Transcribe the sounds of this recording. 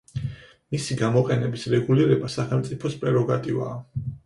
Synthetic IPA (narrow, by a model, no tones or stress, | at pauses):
misiɡamɔqʼɛnɛbisɾɛɡuliɾɛbasaχɛlˠmt̪sʼipʰɔspʼɾɛɾɔɡat̪ʼiva̰ː